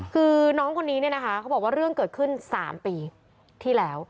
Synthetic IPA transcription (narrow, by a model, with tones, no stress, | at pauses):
kʰɯː˧nɔː˦˥ŋkʰo˧nːiː˦˥ni˥˩ɐna˦˥kʰa˦˥kʰa˦˥wbɔː˨˩waː˥˩ɾɯ˥˩əŋkɤː˨˩t̪̚kʰɯ˥˩nsa̰ː˩˦mpiː˧ | t̪ʰiː˥˩lɛː˦˥w